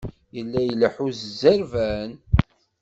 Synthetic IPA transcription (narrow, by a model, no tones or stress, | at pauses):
jəlːæjələħuzəzːəɾvæn